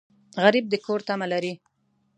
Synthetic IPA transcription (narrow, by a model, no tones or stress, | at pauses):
ɣaɾib̚d̪əkoɾt̪amalaɾi